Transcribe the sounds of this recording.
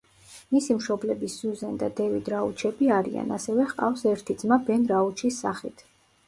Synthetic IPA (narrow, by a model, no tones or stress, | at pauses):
misimʃɔblɛbisz̥uzɛnd̪a̰d̪ɛvid̪ɾaut͡ʃʰɛbiaɾḭa̰nasɛvɛχqʼa̰fsɛɾt̪ʰid̪zmabɛnɾaut͡ʃʰisːa̰χit̪ʰ